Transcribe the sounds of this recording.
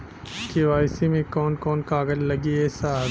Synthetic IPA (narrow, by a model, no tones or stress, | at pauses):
keʋaːɪsimẽkɔːnkɔːnkaːɡəllɐɡiɛsaː